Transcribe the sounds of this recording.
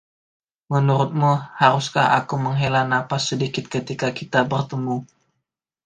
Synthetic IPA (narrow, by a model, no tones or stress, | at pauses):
mənuɾʊt̪̚muhaɾʊskaha̰kuməŋɦelanapasədikɪt̪̚kət̪ikakit̪abərt̪əmu